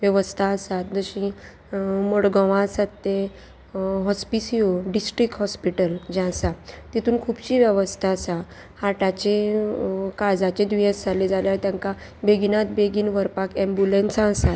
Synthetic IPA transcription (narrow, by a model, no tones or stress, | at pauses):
ʋjəʋəst̪ʰaəsat̪̚d͡zəɕĩ | moɽɡɔʋãəsat̪ːẽ | ɦɔspisioɖisʈɾikɦɔspiʈəld͡ʑɛ̃sat̪it̪ʰuːnkʰubɕiːʋjəʋəst̪ʰaəsa | haʈat͡ɕe | kad͡zat͡ɕed̪ʋiəsd͡zʱaled͡zaljat̪jãŋka | beɡinat̪̚beɡiːnʋəɾpakɛ̃mbjulensãəsat̪̚